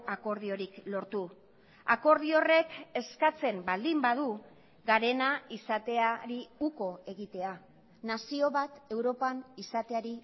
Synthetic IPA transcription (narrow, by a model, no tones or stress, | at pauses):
ako̞ɾðio̞ɾiklo̞ɾt̪u | ako̞ɾðio̞re̞ke̞skat͡se̞mbald̪imbaðu | ɡaɾe̞naisat̪e̞aɾiuko̞e̞ɣit̪e̞a | nasio̞βat̪e̞wɾo̞panisat̪e̞aɾi